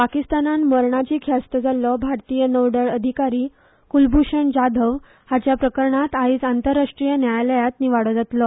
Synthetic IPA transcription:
pakist̪ananməɾɳat͡ɕiːkʰjast̪əd͡zalɔbʱaɾt̪ijənəʋɖəɭəd̪ʱikaɾiː | kulbʱuɕəɳd͡ʑad̪ʱəʋ | hat͡ɕjapɾəkəɾɳat̪aiːd͡zant̪əɾːaʂʈɾijənjajləjat̪niʋaɽəd͡zət̪lɔ

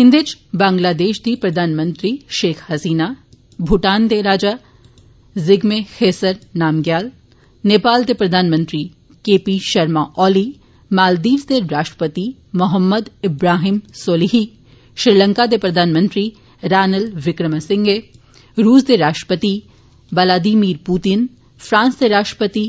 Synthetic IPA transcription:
ɦɪ̃nd̪ɪt͡ʃbãːŋɡlaːd̪eːʃd̪ipɾɐd̪ʱaːnmə̃nt̪ɾiʃeːkʰhɐsiːna | bʱuʈaːnd̪eɾaːd͡ʒa | zɪɡmexeːsəɾnaːmɡjaːl | neːpaːld̪epɾɐd̪ʱaːnmə̃nt̪ɾi | keːpiʃɐɾmaʔɔːli | maːld̪iːʋd̪eɾaːʃʈɾə̥pət̪imʊɦəmːəd̪ɪbɾaːɦɪmsoːliɦi | ʃɾilə̃ŋkad̪epɾɐd̪ʱaːnmə̃nt̪ɾi | ɾaːnəlʋɪkɾəmasɪ̃ŋɡe | ɾuːsd̪eɾaːʃʈɾə̥pət̪i | ʋɐlaːd̪iːmiːɾpuːt̪ɪn | fɾãːnsd̪eɾaːʃʈɾə̥pət̪i

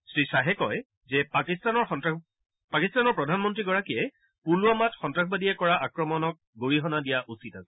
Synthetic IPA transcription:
sɹisaɦɛkɔj | zɛpakistanɔɹxɔta | pakistanɔɹpɹɔdʱanmɔntɹiɡɔɹakijɛ | puluamatxɔntɹaxʰbadiɛkɔɹaʔakɹɔmɔnɔk̚ɡoɹiɦɔnadijaʔusitasɛ̥

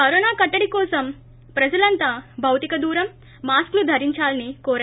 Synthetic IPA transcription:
kɐɾoːnaːkɐʈːɐɽikɔːsɐm | pɾɐd͡ʒɐlɐnt̪aːbʱɐwt̪ikɐd̪uːɾɐmː | aːsklud̪ʱɐɾiɲt͡ʃaːlɐnikɔːɾɐ

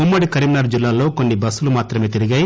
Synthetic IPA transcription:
umːɐɽikɐɾimnɐɾd͡ʒilːaːlo̞ːko̞nːibɐsːulumaːt̪ɾɐmeːt̪iɾiɡɐj

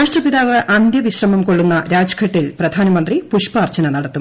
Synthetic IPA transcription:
aːʂʈrɐpiðaːʋɐʔɐnd̪jɐʋiɕrɐmɐmkoɭːunːɐɾaːd͡ʑɐ̥kʰɐʈːilprɐd̪ʱaːnɐmɐnd̪ripuʂpaːrt͡ɕɐnɐnɐɽɐt̪ːum

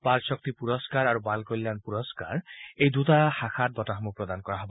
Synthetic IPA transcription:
paɾsɔk̚t̪ipuɾɔskaɾaɾubalkɔjlːanpuɾɔska̰ɾejd̪ut̪ahakʰat̚b̪ɔtaɦɔmupɾɔd̪anɔkɔɾaɦɔbɔ

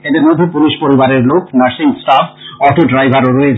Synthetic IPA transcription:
ed̪eɾmod̪ʱːepuliʃpoɾibaɾeɾlokʰnaɾsiŋsʈafɔɾt̪ʰoɖɾajbʱaɾoɾoet͡ɕʰ

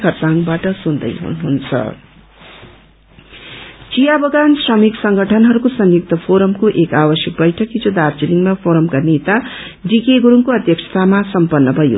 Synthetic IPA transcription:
kʰʌrt͡saŋbaʈʌsund̪ʌ̰jɦṵnuɦunt͡sʰʌ̰ | t͡sijabʌɡansrʌmiksʌŋɡʱʌʈʰʌnɦʌɾukosʌŋjuk̚t̪ʌpʰoɾʌmkoʔekabʌsjʌk̚bʌjʈʰʌkid͡zod̪art͡siliŋmapʰoɾʌmkanet̪a | ɖikeɡuɾuŋkoʌd̪jʌksʰʌ̥t̪ʰamasʌmpʌnːʌbʱʌjo̰

